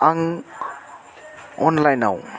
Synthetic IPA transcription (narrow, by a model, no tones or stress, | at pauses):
aŋ | ɔnlajnaw